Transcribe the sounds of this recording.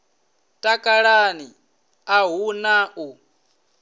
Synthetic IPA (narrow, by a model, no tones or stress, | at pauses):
tʼakʼaɺani | aɦunaʔu